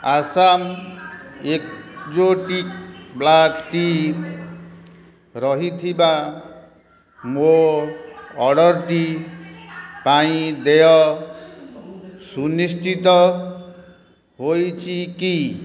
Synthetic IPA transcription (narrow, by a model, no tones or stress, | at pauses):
asam | ek̚d͡ʒoʈikblakʈi | ɾɔɦit̪ʰiba | mo | ɔɽɔɾʈi | paĩd̪ejɔ | sunisʈʰit̪ɔ | ɦojt͡ʃʰiki